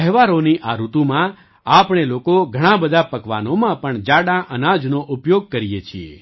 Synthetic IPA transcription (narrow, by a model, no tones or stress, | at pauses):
əɦʋaɾoniʔaɾut̪ũmã | apɳ̃elokoɡʱəɽ̃ãbəd̪ʱapəkʋa̰nomãpəɳd͡ʒaɽãʔənãd͡ʒnoʔupjoɡ̚kəɾijet͡ʃʰiḛ